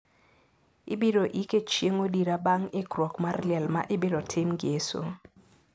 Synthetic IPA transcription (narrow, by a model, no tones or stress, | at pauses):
ḭɓiɾɔʔikʼet͡ʃʰieŋodiɾaɓaŋɛɡ̥rɔɡmarliɛlma̰ʔɪɓiɾɔtʰemɡeːsɔ̰